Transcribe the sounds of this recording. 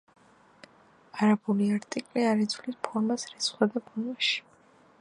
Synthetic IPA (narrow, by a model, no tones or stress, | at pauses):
aɾabuliaɾt̪ʼikʼliaɾid̪zʰlispʰɔɾmasɾɛsχwad̪apʰɔnmaʃi̥